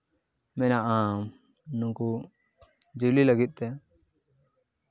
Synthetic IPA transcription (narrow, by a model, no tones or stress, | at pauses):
mɛnaʔa | nũŋku | d͡ʒililəɡit̪̚ˀt̪ɛ